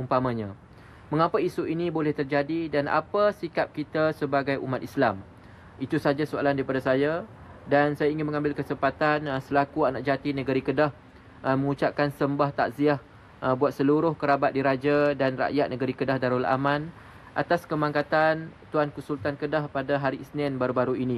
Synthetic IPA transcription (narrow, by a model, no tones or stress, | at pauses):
umpamãɲã | mə̃ŋapaisuinibolɛht̪ərd͡ʒadidanʔa̰pasikap̚kit̪asəbaɡajʔṵmat̪̚islam | it̪usad͡ʒasoa̰landaɾipadasajadansajaiŋɪnmə̃ŋãmbɪlkəsəmpat̪ansəlakuanaʔ̚d͡ʒat̪inəɡəɾikədah | mə̃ŋut͡ʃap̚kansəmbaht̪aʔziah | buat̪̚səluɾʊhkəɾabat̪̚diɾad͡ʒadanra̰ʔjat̪̚nəɡəɾikədahdaɾulʔa̰mãn | ʔat̪askəmãŋkat̪ant̪uankusult̪ankədahpadaɦaɾisnɛnbaɾubaɾuinĩ